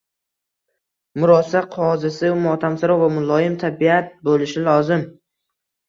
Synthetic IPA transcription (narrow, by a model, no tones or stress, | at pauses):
mʊɾɒsaqʰɒzɪsɪʊmɒt̪ʰamsɪɾɒvamʊlˠɒjɪmt̪ʰabiat̪̚bolɪʃɪlˠɒzɪm